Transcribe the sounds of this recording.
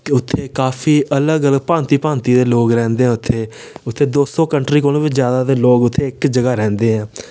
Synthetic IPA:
kʊt̪ʰːeːkaːfʰiːʔələɡələɡ̚pãːnt̪iːpãːnt̪iːd̪eːloːɡɾɛ̃ːnd̪eːɛ̃ːʊt̪ʰːeːʊt̪ʰːeːd̪oːsɔ̃ːkəɳʈɾiːkoːlõːʋɪt͡ʃzjaːd̪aːd̪eːloːɡʊt̪ʰːeːɪkd͡ʒəɡaːɾɛ̃ːnd̪eːɦɛ̃ː

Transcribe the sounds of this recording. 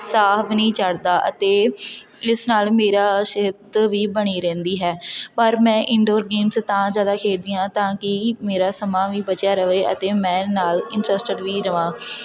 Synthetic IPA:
saːɦbnəĩːt͡ʃəɽd̪aːʔə̰t̪eː | ɪsnaːlmeːɾaːʃɪd̪ʋiːbəɽ̃iːɾɛ̃ːnd̪iːɦɛːpəɾmɛ̃ːʔɪɳɖoːɾɡeːmst̪ãːd͡ʒjaːd̪aːkʰeːɾd̪iːjãːt̪ãːkɪmeːɾaːsəmaːʋiːbət͡ʃjaːɾəʋeːə̰t̪eːmɛ̃ːnaːlɪɳʈɾəsʈəɖʋiːɾəʋãː

